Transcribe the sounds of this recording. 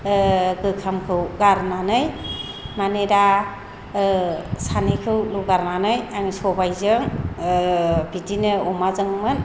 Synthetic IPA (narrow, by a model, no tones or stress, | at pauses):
ɡɯkʰamkʰɯwɡaɾnanɯj | maneɾa | sanekʰɯwluɡaɾnanɯjaŋsɔbajzɯŋ | bidinɯɔmazɯŋmɯn